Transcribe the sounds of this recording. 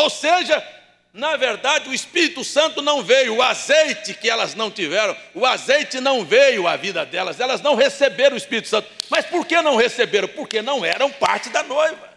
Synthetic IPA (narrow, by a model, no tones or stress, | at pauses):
owseʒɐ | nɐveɾd̪ad͡ʒɪʊispiɾit̪ʊsɐ̃nt̪ʊnɐ̃w̃vejʊʊazejt͡ʃɪkɪɛlɐznɐ̃w̃t͡ʃivɛɾɐ̃w̃ʊazejt͡ʃɪnɐ̃w̃vejʊa̰vid̪ɐd̪ɛlɐzɛlɐznɐ̃w̃ɦesebeɾɐ̃ʊispiɾit̪ʊ̥sɐ̃nt̪ʊmɐspoɾkenɐ̃w̃hesebeɾɐ̃w̃poɾkenɐ̃w̃ɛɾɐ̃w̃pa̰ɾt͡ʃɪd̪ɐnojvɐ